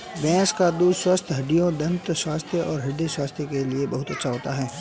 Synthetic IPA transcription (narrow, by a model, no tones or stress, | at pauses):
bɛ̃ːskad̪uːd̪swɐst̪ʰɦɐɖijõd̪ɐ̃nt̪swaːst̪ʰjəʔɔːɾɦɐɖeswaːst̪ʰjəkeliebɐɦʊt̪ɐtːʃʰaɦoːt̪aɦɛː